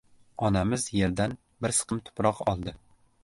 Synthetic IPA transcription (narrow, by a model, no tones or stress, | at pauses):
ɒnamɪzjeɾd̪an | bɪɾsɨ̥qʰɨmt̪ʰʊ̥pɾɒqɒlˠd̪ɪ